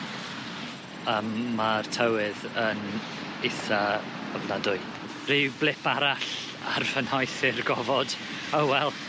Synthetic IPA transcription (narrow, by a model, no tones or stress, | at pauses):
əːmːartʰəwɪðən | ɪθa | avnadʊɨ | r̥iblˠɪpʰaɾaɬ | a̰rfənɔjθɪrɡɔvɔd̥ | owwɛlˠ